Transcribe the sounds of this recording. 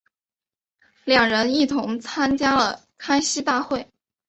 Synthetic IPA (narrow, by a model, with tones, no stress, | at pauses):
ljɑ˨˩ŋɻə˧˥ni˥˩t̪ʰʊ˧˥ŋt͡sʰa˥nt͡ɕja˥lə˨ | kʰa˥ɪɕi˥t̪a˥˧xwe˥˩ɪ